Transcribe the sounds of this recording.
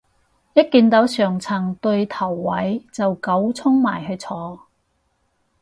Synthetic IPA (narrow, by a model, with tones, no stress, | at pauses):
jɐ˥t̚kiː˧nt̪ɐ˨˥wsœː˨˩ŋt͡sʰɐ˨˩ŋt̪ɵ˧ɥt̪ʰɐ˨˩wːɐ˨˥jt͡sɐ˨wkɐ˨˥wt͡sʰʊ˥ŋmaː˨˩jɦɵ˧ɥt͡sʰɔː˨˧